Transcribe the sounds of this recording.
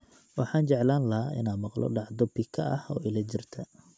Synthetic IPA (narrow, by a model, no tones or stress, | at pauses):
wɑħɑːnt͡ʃɛʕlaːnlɐɦaːʔɪ̰naːmɑqlɔ̰ɖɑʕd̪ɐbɪkʰɐɐ̰hɔːɪlɐt͡ʃɪrt̪ʰɐ